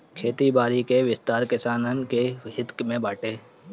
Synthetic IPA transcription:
kʰeːt̪ibaːɾikeʋɪst̪aːɾkɪsaːnənkeɦɪt̪kmẽbaːʈeː

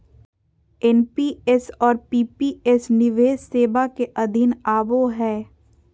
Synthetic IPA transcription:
ɛnpiɛsɔːɾpiːpiɛsnɪʋeːzseːbakeʔɐd̪ʱɪnaːboɦɛː

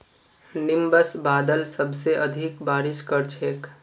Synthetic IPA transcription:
nɪmbəsbaːd̪əlsəbʱseʔəd̪ʱikbaːɾɪʃkəɾt͡ʃʰeːk

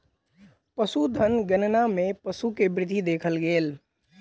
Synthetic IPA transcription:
pəsud̪ʱənɡənnamẽpəsukebɾɪd̪ʱid̪eːkʰəlɡeːl

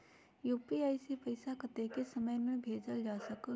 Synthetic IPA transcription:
juːpiaːisepəɪsakət̪ekesəməjmẽbʱeːd͡ʒəld͡ʒaːsək

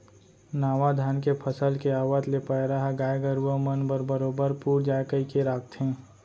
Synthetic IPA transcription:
naːʋad̪ʱaːnkepʰəsəlkeaːʋət̪lepəjɾaɦaɡaːjɡəɾuʋəmənbəɾbəɾoːbəɾpuːɾd͡ʒaːjkəikeɾaːk̚t̪ɦɛ̃ː

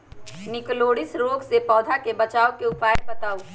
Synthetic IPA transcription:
nɪkloːɽɪsɾoːɡsepɔːd̪ʱakebɐt͡ʃaːokeʊpaːebɐt̪aːo

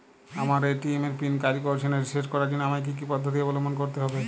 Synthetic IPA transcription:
amaɾeʈiemeɾpinkaɾikoɾt͡ʃʰeneɾiseʈkɔɾaɾd͡ʑinamajk̬ik̬ipɔd̪ʱːot̪̬ibɔlomonkoɾt̪eɦɔbe

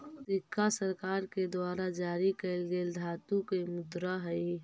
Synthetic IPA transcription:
t̪ɪkːasəɾkaːɾked̪waːɾad͡ʒaːɾikɛɪlɡeːld̪ʱaːt̪ukemʊd̪ɾaɦəi

